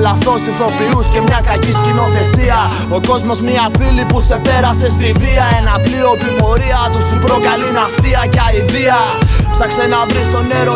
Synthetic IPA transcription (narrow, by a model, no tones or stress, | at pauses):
lɐθo̞seθo̞piusce̞mɲɐkɐciscino̞θe̞siɐ | o̞ko̞zmo̞zmiɐfilipuse̞pe̞ɾɐse̞st̪iviɐenɐplio̞pipo̞ɾiɐt̪usipɾo̞kɐlinɐft̪iɐcɐiðiɐpsɐksenɐvɾist̪o̞ne̞ɾo